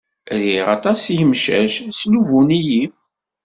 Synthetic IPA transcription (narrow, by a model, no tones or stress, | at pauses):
ðiʁɑ̰t̪ˤɑsjəmʃæʃsnuvuniji